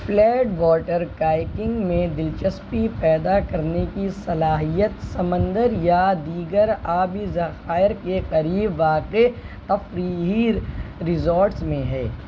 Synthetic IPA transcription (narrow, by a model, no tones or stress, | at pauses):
flɛːɖʋɔːʈəɾkaːɪkɪ̃ŋɡmẽd̪ɪlt͡ʃəspipɛːd̪akɐɾnekisɐlaːɦijət̪sɐmə̃nd̪əɾjad̪iːɡəɾaːbizɐxaːɪɾkeqɐɾiːbʋaːqe | t̪ɐfɾiːɦiɾɪzoːɾʈsmẽɦɛː